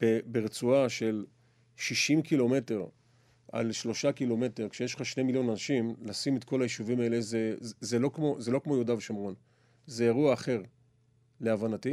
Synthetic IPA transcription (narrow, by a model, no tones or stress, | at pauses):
b̥ebeʁet͡suaʃe̞l | ʃiʃimkilo̞me̞te̞ʁ | a̰lʃlo̞ʃakilo̞me̞teʁkʃejeʃχaʃnemiljo̞nanaʃimlasimet̪ko̞lajiʃuvimae̞le̞zezelo̞kmo̞zelo̞kmo̞jodavʃamʁon | zejaʁuaːχe̞ʁ | le̞avanati